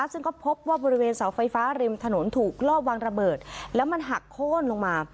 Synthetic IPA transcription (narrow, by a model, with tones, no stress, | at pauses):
sɯ˥˩ŋkɔː˥˩pʰo˦˥p̚waː˥˩bɔː˧ɾi˦˥weː˧nsa˩˦wfa˧jfaː˦˥ɾi˧mt̪ʰa˧no˩˦nt̪ʰuː˨˩k̚lɔː˥˩waː˧ŋɾa˧bɤː˨˩t̪̚lɛː˦˥wma˧nɦa˨˩kʰːoː˥˩nlo˧ŋmaː˧